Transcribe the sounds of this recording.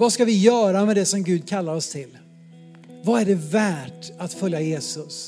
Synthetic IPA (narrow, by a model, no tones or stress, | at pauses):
vaskavɪjœːɾamɛd̪ɛsɔmɡʉ̟ːd̪̚kʰalːaɾɔst̪ʰɪl | vaæɖɛvæːʈat̪fœljajeːsɵs